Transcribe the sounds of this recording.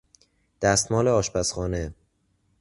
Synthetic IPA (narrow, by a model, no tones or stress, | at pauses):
d̪̥æst̪mɒːleɒːʃpæsxɒːne